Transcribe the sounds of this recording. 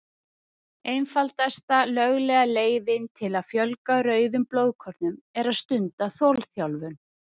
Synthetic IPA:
ejnfalt̪ɛst̪alœɣlɛɣaleːjðɪnt̪ʰɪlaðfjœlkaɾœːɥðʏmploːwðkʰɔɾt̪nʏmɛɾaðst̪ʏnt̪aθɔlθjawlvʏn

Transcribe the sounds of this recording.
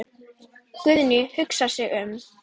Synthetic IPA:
kʏðnʏhʏksasɛɣʏm

